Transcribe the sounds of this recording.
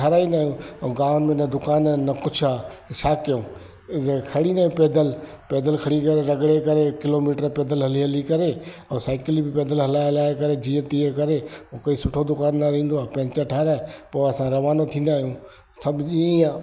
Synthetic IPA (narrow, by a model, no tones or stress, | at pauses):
aɾaːinaːɦjũɛ̃ɡãːʊnmẽnɐd̪ʊkaːnnɐkʊt͡ʃʰaːt̪ɐsʰaːkijõː | ekʰɐɽinaːjũpeːd̪əl | peːd̪əlkʰɐɽikɐɾeɾɐɡɽekɐɾekɪloːmiːʈəɾpeːd̪əlɦɐliɦɐlikɐɾeɛ̃ːsaːɪklibɪpeːd̪əlɦɐlaːelaːekɐɾed͡ʑĩːə̃t̪iəkɐɾekɐisʊʈʰod̪ʊkaːnːaɾĩːn̆d̪oaːpɐ̃ɦɲt͡ɕaʈʰaːɾaepoːɐsãɾɐʋaːnot̪ʰĩːnd̪aːɦijũː | sɐbʱd͡ʑiãː